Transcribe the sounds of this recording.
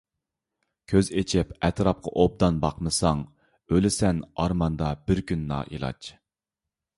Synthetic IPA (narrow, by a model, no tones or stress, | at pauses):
kʲʰøzet͡ʃʰɪpɛt̪ɾɑp̚qʰɑʔob̚d̪ɑnbɑqmɨsɑŋ | ølɪsɛnɑɾmɑnd̪ɑbɪɾkʲʰynːɑ̰ːʔḭlˠɑ̰t͡ʃ